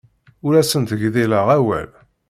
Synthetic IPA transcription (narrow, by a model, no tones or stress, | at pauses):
ʊɾæsənt̪əʝðiləʁæwæ̰l